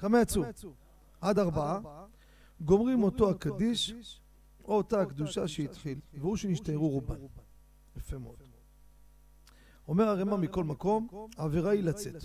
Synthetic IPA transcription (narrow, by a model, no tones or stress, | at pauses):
kamajat͡su | ad̪aʁbaa | ɡo̞mʁimo̞to̞akad̪iʃ | o̞ːtaːkd̪uʃaʃeit̪χilveuʃeniʃtajeʁuʁuban | jefemod̥̪ | o̞me̞ʁaʁemamiko̞lmako̞maveʁailat͡se̞t̪